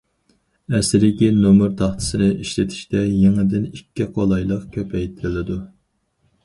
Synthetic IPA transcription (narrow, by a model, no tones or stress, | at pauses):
ɛsɪɾɪkʲinomuɾt̪ʰɑχt̪ʰɨ̥sɨnɨʔiʃlɪt̪ʰi̥ʃt̪ɛjeŋɨd̪ɪnikʲːiqʰolˠɑjlˠəqkʲʰøpʰɛjt̪ʰɪɾɪlɪd̪u